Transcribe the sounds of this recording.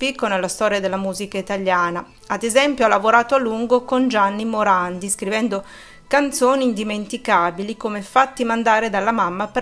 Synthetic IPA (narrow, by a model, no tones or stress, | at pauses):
pikːonelːast̪ɔːɾjad̪elːamuːzikait̪aljaːna | ad̪ezɛmpjoalːavoɾaːt̪oalːuŋɡokond͡ʒanːimoɾand̪iskɾivɛnd̪o | kant̪soːniːnd̪iment̪ikaːbilikomefat̪ːimand̪aːɾed̪alːamamːape